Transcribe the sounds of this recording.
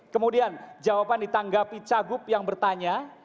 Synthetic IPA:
kəmudiand͡ʒawapandit̪aŋɡapit͡ʃaɡʊpjaŋbərt̪aɲa

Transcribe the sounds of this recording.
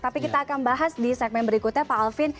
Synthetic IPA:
t̪apikit̪aːkanbaɦasdisɛk̚mɛnbəɾikut̪ɲapaalfɪn

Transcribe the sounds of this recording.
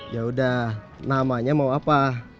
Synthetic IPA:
jaudah | namaɲamauapa

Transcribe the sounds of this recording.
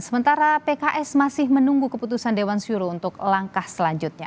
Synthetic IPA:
səmənt̪aɾapekaʔɛsmasɪhmənuŋɡukəput̪usandewansuɾount̪ʊklaŋkahsəlaɲd͡ʒut̪̚ɲa

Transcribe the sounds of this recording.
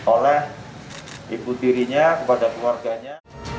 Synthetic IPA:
olɛh | ibut̪iɾiɲakəpadakluarɡaɲa

